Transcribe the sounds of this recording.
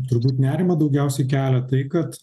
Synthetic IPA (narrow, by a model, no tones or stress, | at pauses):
t̪ʊɾbuːt̪nʲæːɾʲɪmɐd̪ɐʊɡʲɛˑʊsʲɛɪkʲæːlʲɛt̪ɐɪkɐt̪